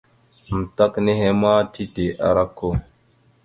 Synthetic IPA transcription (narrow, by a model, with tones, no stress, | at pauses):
m̩˨ta˦kne˦ɦe˦ma˦ti˦de˨ʔa̰˨ɾa˦kːo˦